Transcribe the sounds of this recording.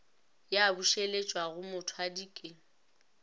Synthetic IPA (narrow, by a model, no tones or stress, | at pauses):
jabuʃelet͡ʃʼwaɣʊmʊtʰwadiːkʼɪ